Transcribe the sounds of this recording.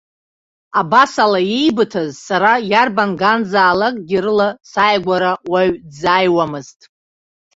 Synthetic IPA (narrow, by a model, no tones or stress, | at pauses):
abasalajejbɨtʰazsaɾajarbanɡanzaːlakʼɡʲiɾɨlasajɡʷaɾawaɥdzajwamɨztʼ